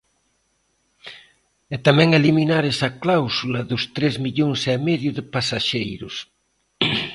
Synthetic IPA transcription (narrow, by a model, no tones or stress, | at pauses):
ɛt̪amɛ̃ŋeliminaɾɛsɐklawsulɐðʊst̪ɾezmiʎoŋsɛmɛðjʊðɪpasaʃejɾʊs